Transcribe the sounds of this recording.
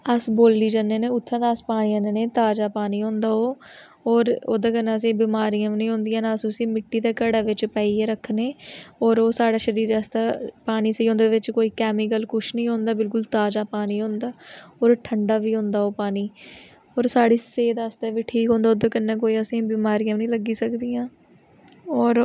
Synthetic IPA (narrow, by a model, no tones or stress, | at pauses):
əsboːld̪iːd͡ʒanːeːneːʊt̪ʰːãd̪aːspaːniːãːneneːt̪aːd͡ʒaːpaːniːɦõːnd̪aːoː | ɔːɾoːd̪aːkənːãːəs̬ĩːbɪmaːɾijãːnĩːɦõːnd̪ɪijãːnassĩːmɪʈːiːd̪aːkəɽaːʋɪt͡ʃpaːiːeːɾəkʰːneːɔːɾoːsaːɽaːʃəɾiːɾast̪aːpaːniːseiːɦõːnd̪eːʋɪt͡ʃkoːiːkɛːmiːk̬əlkʊʃʰnĩːɦõːnd̪aːbɪlkʊlt̪aːd͡ʒaːpaːniːɦõːnd̪aːɔːɾʈʰəɳɖaːʋiːɦõːnd̪aːoːpaːniː | ɔːɾsaːɽiːseːd̪aːst̪aːʋiːʈʰiːkɦõːnd̪aːoːd̪aːkənːãːkoːiːəsĩːbɪːmaːɾijãːmnĩːləɡiːsəkd̪iːãː | ɔːɾ